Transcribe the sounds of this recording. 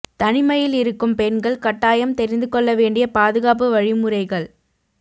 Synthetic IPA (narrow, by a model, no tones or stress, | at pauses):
t̪ɐnɪmɐjɪlɪɾɯkːɯmpɛnɡɐɭkɐʈːaːjɐmt̪ɛɾɪnd̪ɯkɔɭːɐʋeːɳɖɪjɐpaːðɯɣaːp̬ɯʋɐɻɪmɯɾɐɪɣɐɭ